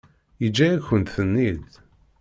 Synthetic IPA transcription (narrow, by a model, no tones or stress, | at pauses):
jid͡ʒːæjæçənt̪θənːid̪